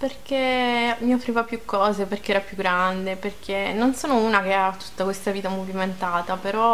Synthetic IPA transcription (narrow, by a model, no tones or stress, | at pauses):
perk̟emiofːɾiːvapjukːɔːzeperkeɛːɾapjuɡɾand̪eperk̟ʰenːonsoːnounakeat̪ːu̥t̪ːakwest̪aviːt̪amoviment̪aːt̪apeɾɔ